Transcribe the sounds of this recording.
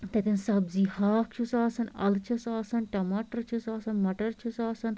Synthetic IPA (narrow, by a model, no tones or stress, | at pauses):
t̪ɐt̪insɐbzihaːk̚t͡ʃʰusaːsɐnɐ̰lt͡ʃʰɐsaːsɐnʈɐmaːʈɐɾt͡ʃʰusaːsɐnmɐʈɐɾt͡ʃʰusaːsɐn